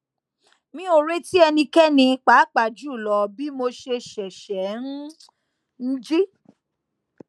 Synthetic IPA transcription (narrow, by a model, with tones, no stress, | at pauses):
mĩ˦o˨ɾe˦ti˦ɛ˧nĩ˧kɛ˦nĩ˧k͡pa˨˦k͡pa˨d͡ʒu˦˨lɔ˨bi˦mo˧ʃe˧ʃɛ˨ʃɛ˨˦n̩˦ | n̩˦d͡ʒi˦